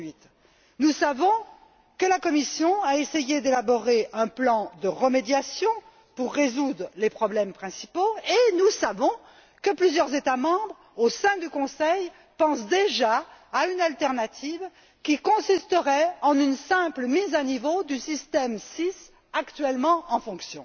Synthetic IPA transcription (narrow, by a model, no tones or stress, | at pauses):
ɥit̪ | nusavɔ̃ | kəlakɔmisjɔ̃aesejed̪elabɔʁeɛ̃plɑ̃d̪əʁəmed̪jasjɔ̃ | puʁːezud̪ʁlepχɔblɛmpχɛ̃sipoenusavɔ̃ | kəplyzjœʁzet̪amɑ̃bʁ | osɛ̃d̪ykɔ̃sɛj | pɑ̃sd̪eʒaːynalt̪ɛʁnat̪ʰiv | kʲikɔ̃sist̪əʁɛɑ̃nynsɛ̃pləmizanivod̪ysist̪ɛmsis | akt̪ɥɛlmɑ̃ɑ̃fɔ̃ksjɔ̃